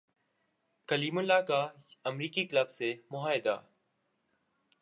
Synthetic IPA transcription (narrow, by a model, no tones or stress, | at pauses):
kəliːmʊlːaːkaːəmɾiːkiːkləbseːmʊɦaːɪd̪a̰ː